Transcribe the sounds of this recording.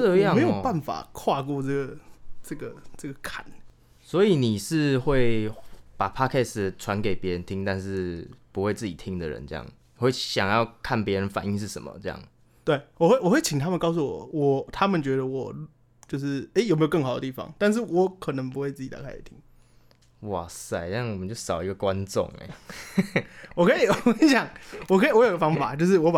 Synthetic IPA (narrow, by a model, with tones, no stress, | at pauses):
d̪ə˧˨˥jɑ˥˨ŋe˧˦˥jo˨ʊpa˥˩nfa̰˨˩kʰwa˥˧kwɔ˥˧ʈ͡ʂɤ˥˩ɡə˩ʈ͡ʂə˥˩ɡə˩ʈ͡ʂə˥˩ɡə˩kʰa˨˩˦n | swɔ˧˦˥i˨˩ni˨˩ʂɻ̩˥˧xwe˥˩ɪpa˨˩pʰa˦˥kʰɛ˥˩sʈ͡ʂʰwa˧˦nke˨˩ɪpjɛ˧˦˥ɻə˧˦nt̪ʰi˦˥ŋt̪a˥˧nʂɻ̩˥˩pu˧˦xwe˥˧ɪt͡sɹ̩˥˩t͡ɕi˨˩t̪ʰi˧˦ŋd̪ə˨ɻə̰˧˦nʈ͡ʂə˥˧jɑ̰˥˩ŋ˨we˥˩ɪɕjɑ̰˨˩ŋjɑ˥˧ʊkʰa˥˩npjɛ˧˥ɻə˧˦nfa˨˩ni˦˥ŋʂ̬ɻ̩˥˩ʂə̰˨˩mə̰˨˦ʈ͡ʂɤ˥˧jɑ̰˥˩ŋ | t̪we˥˩ɪwɔ˨˩xwe˥˩wɔ˨˩xwe˥˩ɪt͡ɕʰi˨ŋt̪ʰa˥mə˨nkɑ˥˧ʊs̬u˥˩wɔ̰˨˩wɔ˨˩t̪ʰa˦mə˨nt͡ɕɥɛ˧˥d̪ə˨wɔ˨˩ | t͡ɕjo˥˧ʊʂɻ̩˥˩e˥ɪjo˨˩me˧˥jo˨˩kɤ˥˩ŋxa˨˩ʊd̪ə˧t̪i˥˩fɑ̰˦ŋt̪a˥˧nʂ̬ɻ̩˥˩wɔ˧˥kʰə˨˩nə˧˦ŋp̬u˧˦xwe˥˧ɪt͡sɹ̩˥˩t͡ɕi˨˩t̪a̰˥˩ka˥ḭ˨˩t̪ʰi˦ŋ | wɔ˨˩sa˥˩ɪ˥jɑ˥˩ŋwɔ˨˩mə˦t͡ɕjo˥˧ʊsɑ˨˩ʊi˧ɡə˨kwa˦nt͡sʊ̰˨˩ŋḛ˨˩ | wɔ˨˩kʰə˧˥i˨˩wɔi˨˧˥ɕjɑ˨˩ŋwɔ˨kʰi˨wɔ˧˦jo˨˧˨ɡə˧fɑ˥ŋ˧fa̰˨˩˦t͡ɕjo˥˧ʊʂ̬ɻ̩˥˩wɔ˧˥pa˨